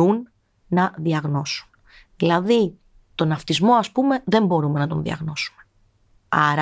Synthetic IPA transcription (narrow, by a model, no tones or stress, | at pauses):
unː | ɐðiɐɣno̞su̥n | ðilɐði | t̪o̞nɐft̪izmo̞ɐspume̞ðe̞mbo̞ɾume̞nɐt̪o̞̰nðḭɐ̰ɣno̞su̥me | ɐɾ